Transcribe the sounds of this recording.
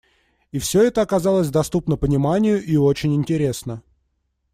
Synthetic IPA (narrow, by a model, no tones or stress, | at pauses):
ifsʲo̞ɛt̪əɐkɐzalˠəzʲd̪ɐst̪upnəpənʲɪmanʲɪjʊʔio̞t͡ɕɪnʲɪnʲtʲɪɾʲe̞snə